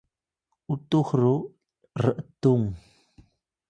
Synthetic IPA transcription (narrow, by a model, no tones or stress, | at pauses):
utuxru | rəʔətuŋ